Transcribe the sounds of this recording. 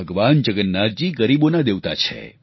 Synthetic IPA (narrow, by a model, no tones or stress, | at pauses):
əɡʋand͡ʒəɡənːaɾd͡ʒiɡəɾibonad̪eʋt̪a̰t͡ʃʰḛ